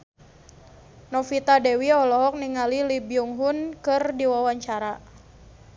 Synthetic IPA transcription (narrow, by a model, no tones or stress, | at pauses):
nɔfit̪adɛwiɔlɔɦɔk̚niŋalilibjuŋɦunkɨrdiwawaɲt͡ʃaɾa